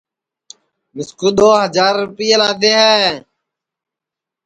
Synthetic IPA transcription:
mɪskuːɗ̪oːɦəd͡ʒaːɾʊpiːelaːt̪̬eːɦɛː

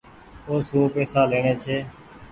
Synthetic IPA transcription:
oːsũːpeːsaːleːɳeːt͡ʃʰeː

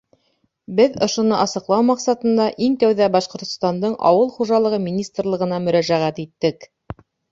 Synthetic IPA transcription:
bɘðŏʃŏnɤʔɑsɤ̆qlˠɑwmɑqsɑt̪ɤ̆nd̪ɑʔiŋt̪æwðæbɑʃqŏɾt̪ŏ̥st̪ɑnd̪ɤɴʔɑ̰wɤlˠχuʒɑlˠɤ̆ʁɤmʲinʲist̪rlˠɤ̆ʁɤ̆nɑmɵ̆ɾæʒæʁæt̪it̪ːɘk

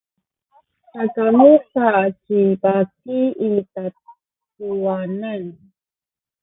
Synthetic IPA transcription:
sakamusat͡ʃibakiita | tuwanan

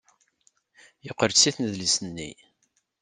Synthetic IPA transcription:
jəqːəɾsiθnəðlisənːḭ

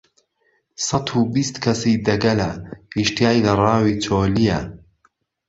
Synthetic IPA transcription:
sɑt̪ʰubist̪kʰɐsiːd̪ɐɡɐlɐhiʃt̪ijaːjlɐrˤɑːwiːt͡sʰoːlijɐ

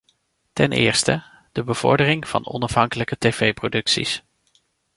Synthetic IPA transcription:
tɛnʔɪ̰ːɹstə | d̥əbəv̥ɔ̰ɹdərɪŋv̥ɑ̰nɔ̰nɑfɦɑŋkələkətejvejprodɵksḭs

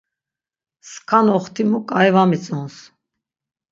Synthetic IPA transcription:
skʰanɔχt̪ʰimukʼajvamit͡sʼɔns

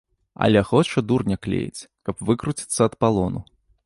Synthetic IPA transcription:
ɐ̰lʲɛxɔt͡ʂɐd̪urnʲɛklʲḛjḭt͡sʲkɐpvɨkɾut͡sʲi̥t̪sːɐːt̪palˠɔnṵ

